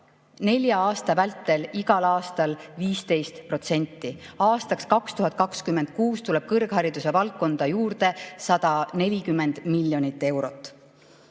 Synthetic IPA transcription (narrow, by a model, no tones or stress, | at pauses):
ne̞lʲjɑɑːst̪ɑvælt̪ːˑe̞liɡɑlɑːst̪ɑlviːst̪e̞jst̪pro̞t̪se̞nʲt̪ːˑiɑːst̪ɑkskɑkst̪uɦɑt̪̚ːˑkɑkskymːend̪̥̚kuːst̪ule̞b̥kɤrɡ̥hɑɾid̪̥use̞vɑlk̚kːo̞nd̪̥ɑjuːrd̪e̞sɑd̪̥ɑne̞lʲikymːe̞nd̪̥milʲːjo̞nit̪ːˑe̞wɾo̞t̪ːˑ